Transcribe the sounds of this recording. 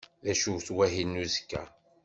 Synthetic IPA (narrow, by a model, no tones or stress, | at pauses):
ðæʃuɾθwæɦinːuzkːæ̰